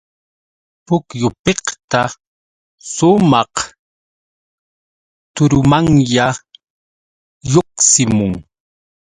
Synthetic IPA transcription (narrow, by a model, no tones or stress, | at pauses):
pʊkjʊpeqt̪a | sʊmɑq | t̪ʊɾʊmaŋja | joqsɪmʊŋ